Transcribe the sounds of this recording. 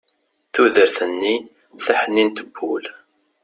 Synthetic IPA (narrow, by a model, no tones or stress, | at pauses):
θuðəɾθənːi | θaħənːint̪əbːul